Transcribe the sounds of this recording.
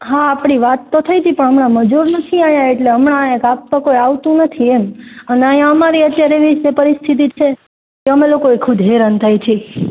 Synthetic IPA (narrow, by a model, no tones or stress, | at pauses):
ɦaːpɳ̃iʋat̪ːot̪ʰəjt̪ipəɳ̃əmɳaməd͡ʒuɾnət̪ʰiajaeʈleəmɳaẽkap̚ːəkojaʋt̪ũnət̪ʰieməneajãəmaɾiət̪jaɾeeʋisepəɾist̪ʰit̪it͡ʃʰe | keəmelokoekʰud̪ʱɦeɾənt̪ʰajt͡ʃʰe